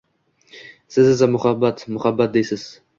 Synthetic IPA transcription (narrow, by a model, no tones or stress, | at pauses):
sɪzɪzamʊhabːat̪mʊhabːat̪̚d̪ejsɪz̥